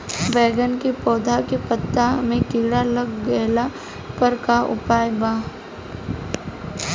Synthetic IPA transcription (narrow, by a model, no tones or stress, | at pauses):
ʋɛːɡənkipɔːd̪ʱakepət̪ːamẽkɪːɽalɐɡːɛːla | pəɾkaʊ̰paːjbaː